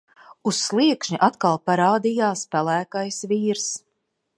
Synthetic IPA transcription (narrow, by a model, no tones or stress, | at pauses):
usːlˠiɛkʃɲiʔat̪kalˠpaɾaːd̪ijaːspælˠæːkajsviːɾs